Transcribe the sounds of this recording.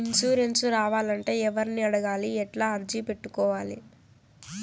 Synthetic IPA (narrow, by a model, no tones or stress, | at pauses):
insuːɾensuɾaːʋaːlɐɳʈe̞ːɛʋɐɾiniɐɽɐɡaːliɛʈlaːɐɾd͡ʒipe̞ʈːukɔːʋaːlḭ